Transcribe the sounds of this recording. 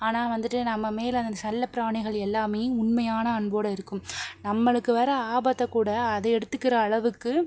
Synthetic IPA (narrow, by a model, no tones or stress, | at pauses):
aːnaːʋɐnd̪ɯʈːɯnɐmːɐmeːlɐnd̪ɐnɐlːɐpɪɾaːɳɪɣɐɭɛlːaːmeːjɯʊɳmɐjaːnɐːɳboːɽɐɪɾɯkːɯmnɐmːɐɭɯkːɯʋɐːɾɐaːbɐt̪ːɐkːuːɽɐːðɐɛɽɯt̪ːɯkːɪɾɐːɭɐʋɯkːɯ